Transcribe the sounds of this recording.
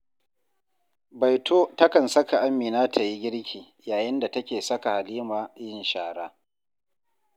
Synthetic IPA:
bɐ˨jtʰoː˦tɐ˦kɐ˨nsɐ˦ka˨ʔa˦mːiː˨naː˦tʰa˨ji˦ɡʲɪ˦ɽkʲiː˨ | jaː˨jɪ˦nda˨tɐ˦kʲeː˨sɐ˦ka˨ha˨liː˦maː˨jɪ˦˨nʃaː˨ɽaː˦

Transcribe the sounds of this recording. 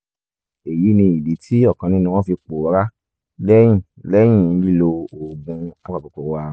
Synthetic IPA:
e˨ji˨˦nĩ˧i˨bi˨˦tʰi˦ɔ˦˨kã˨˧nĩ˦nũ˧w̃ɔ̃˦fi˧k͡po˨˦ɾa˦ | lɛ˦j̃ĩ˦˨ | lɛ˦j̃ĩ˦˨n̩˧li˦lo˧o˨ɡũ˧a˦k͡pa˨ko˨ko˨wã˧˦

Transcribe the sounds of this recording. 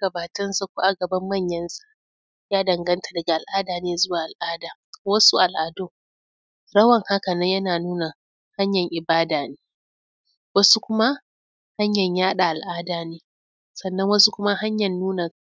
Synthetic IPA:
ɡɐ˨baː˨tɐ˦nsɐ˦kʷu˦ʔa˨ɡɐ˨bɐ˦mːɐ˦˨ɲjɐ˦nsḁ˦ʔ | jaː˦dɐ˨ŋɡɐ˦ntʰḁ˨dɐ˨ɡa˨ʔa˨lʔaː˦daː˨neː˦zʊ˦waː˨ʔa˨lʔaː˦daː˨ | wɐ˦su˦ʔa˨lʔa˨do˦˨ | ɽɐ˦wɐ˨ŋha˦kɐ˨nɐ˦ɲjɐ˦naː˨nuː˦na˨ | ha˦ɲjɐ˨ŋʔɪ˨baː˦daː˨neː˦ | wɐ˦su˦kʷʊ˦ma˦ | ha˦ɲjɐ˨ɲjaː˦ɗa˨ʔa˨lʔaː˦daː˨neː˦ | sɐ˨nːɐ˦ŋwɐ˦su˦kʷʊ˦ma˦ha˦ɲjɐ˨nːuː˦na˨

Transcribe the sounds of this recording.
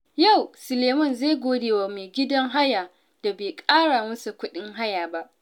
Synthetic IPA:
ja˦˨wsʊ˨leː˨mɔ˦˨nza˦˨jɡʷoː˦deː˨wa˨meː˨ɡʲɪ˦dɐ˦ŋɦa˦jaː˨ | d̥a˨beː˨kʼaː˦ɽa˨mʊ˦su˨kʷʊ˦ɗɪ˦ŋɦa˦jaː˨ba˦ʔ

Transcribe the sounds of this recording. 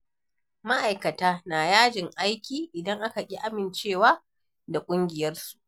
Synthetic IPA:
ma˦ʔa˨jkɐ˨taː˦naː˨jaː˦d͡ʒɪ˨ŋʔa˦jkʲiː˨ʔɪ˨dɐ˦ŋʔa˦ka˨kʲʼi˦ʔa˦mɪ˨nt͡ʃeː˦˨waː˦ | da˨kʷʼʊ˦ŋɡʲɪ˨jɐ˦rsu̥˨ʔʔ

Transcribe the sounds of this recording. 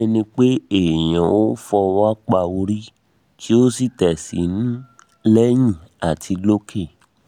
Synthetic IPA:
nĩ˧k͡pe˦e˦˨j̃ã˨o˦fɔ˧wa˦k͡pa˧o˧ɾi˦ | ti˦o˦si˦˨tɛ˨sḭ˨˦ñ˦ | lɛ˦j̃ĩ˦˨a˨tʰi˧lo˦kʰe˦˨

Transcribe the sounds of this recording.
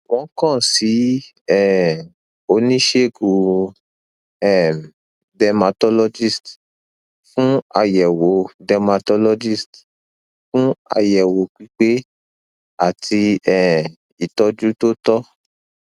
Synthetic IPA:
w̃ɔ̃˨˦kã˦˨si˨˦ | ɛ˨ | o˧˦nĩ˦ʃe˦˨ɡu˨˦ | ɛ˦˨ | dɛ˧ma˧tɔ˦lɔ˧d͡ʒi˦˨st | fũ˦a˧jɛ˨wo˨˦dɛ˧ma˧tɔ˦lɔ˧d͡ʒi˦˨st | fũ˦a̰˧jɛ˨wo˨k͡pi˨˦k͡pe˦ | a˦˨tʰi˧ɛ˦˨ | i˨tɔ˧d͡ʒu˦to˦tɔ˦

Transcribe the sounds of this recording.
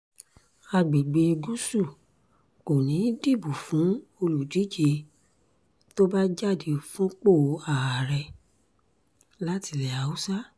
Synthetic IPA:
a˧ɡ͡be˨ɡ͡be˧ɡu˦su˦˨ | ko˨nĩ˨˦di˦˨bu˨fũ˨˦o˧lu˨di˨˦d͡ʒe˧ | to˦ba˦d͡ʒa˦˨de˨˧o˨fũ˦k͡po˦˨˦a˨a˨ɾɛ˧ | la˦ti˧˨lɛ˨a˨u˦sa˦

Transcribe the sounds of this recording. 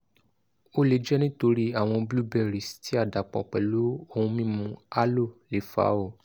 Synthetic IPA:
o˦le˧˦d͡ʒɛ˦nĩ˦to˧ɾi˦a˨w̃ɔ̃˧blu˦bɛ˦˨ɾi˨stʰi˦a˦˨da˨k͡pɔ̃˧˨k͡pɛ˨lu˨˦o˦˧hũ˧mĩ˦mũ˧a˦lo˦˨le˨fa̰˨˦o˦˨

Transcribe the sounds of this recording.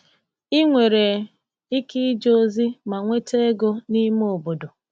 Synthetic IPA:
i˦ŋʷe˨ɾe˨ | i˦ki˦d͡ʒo˦zi˦ma˨ŋʷe˦te˦e˦ɡo˦ni˦m˦o˨bo˨do˨

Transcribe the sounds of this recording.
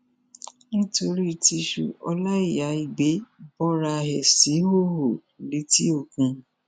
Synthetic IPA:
nĩ˦to˧ɾi˦˨ti˧ʃṵ˧ɔ˧la˦i˦˨ja˨˦i˧˨ɡ͡be˨˦bɔ˦ɾa˧ɦɛ˨si˨˦ho˦˨ho˨ | le˨˦ti˦o˦˨kũ˧

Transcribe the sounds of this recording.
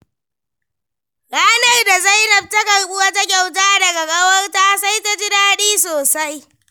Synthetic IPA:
ɡaː˦na˨jda˨za˦jnɐ˨p̚ta˦kɐ˨rɓʊ˦wa˦ta˦kʲa˨wtaː˦dɐ˨ɡɐ˨ɡɐ˦wɐ˦rtaː˦sa˦jta˦d͡ʒɪ˦daː˦ɗiː˦soː˨sa˦j

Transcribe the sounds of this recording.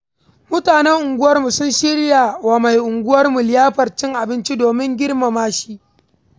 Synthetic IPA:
mʊ˦taː˨nɛ˦ŋʔʊ˨ŋɡʷʊ˦wɐ˦rmu˨sʊ˦nʃɪ˦ɽja˨wa˨ma˨jʔʊ˨ŋɡʷʊ˦wɐ˦rmu˨lɪ˨˦jaː˦ɸɐ˨rt͡ʃɪ˦ŋʔa˨bɪ˦nt͡ʃi˦doː˨mɪ˦ŋɡʲɪ˦rma˨maː˦ʃi˦ʔ

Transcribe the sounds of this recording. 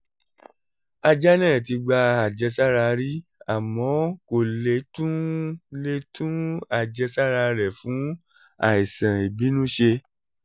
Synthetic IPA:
a˧d͡ʒɛ˦nɛ̃ː˦˨t̬i˧ɡ͡ba˧a˨d͡ʒɛ˧sa˦ɾa˧ɾi˦a˨mɔ̃˨˦ko˨le˨˦tũ˦le˧tũ˦a˨d͡ʒɛ˧sa˦ɾa˧ɾɛ˨fũ˨˦ | a̰˨i˨sã˨i˨bi˨˦nũ˦ʃe˧

